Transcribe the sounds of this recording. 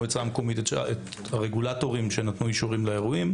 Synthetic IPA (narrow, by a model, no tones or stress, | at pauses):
et͡samekomit̪tet | aʁeɡulatoʁimʃenat̪nuiʃuʁimleeʁuim